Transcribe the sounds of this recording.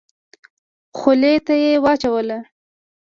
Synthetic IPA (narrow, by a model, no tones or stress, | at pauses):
xʊlet̪ajewɑt͡ʃawəla